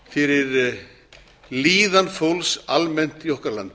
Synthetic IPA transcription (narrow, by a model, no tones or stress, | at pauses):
fɪɾɪɾ | liːðanfowlsalmɛn̥t̪iɔhkaɾla̰nt̪